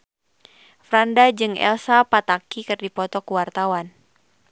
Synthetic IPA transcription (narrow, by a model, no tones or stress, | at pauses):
fɾandad͡ʒɨŋʔɛ̰lsapat̪akikɨrdipɔt̪ɔkuwart̪awan